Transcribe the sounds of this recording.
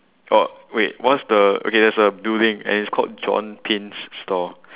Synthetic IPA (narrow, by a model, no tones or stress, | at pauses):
ʔɔwewɔtsdəo̰kedɛtsəbildɪ̃ŋɛ̰̃nitskʰɔ̰lt̚d͡ʒɔ̰̃npʰĩnsːtɔ